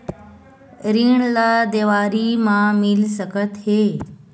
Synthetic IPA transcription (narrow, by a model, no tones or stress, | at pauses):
ɾiːɳ̃lad̪eːʋaːɾimãmɪlsəkət̪ɦeː